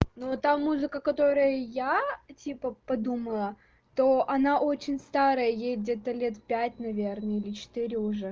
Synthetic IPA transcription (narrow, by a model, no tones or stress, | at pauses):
not̪amuzɨkəkɐt̪o̞ɾəjəjatʲipəpɐd̪uməlˠə | t̪oʔɐnaʔo̞t͡ɕɪnʲst̪aɾəjəjesʲdʲet̪əlʲet̪fpʲætʲnɐvʲernəilʲɪt͡ɕɪ̥t̪ɨɾʲɪʊʐɛ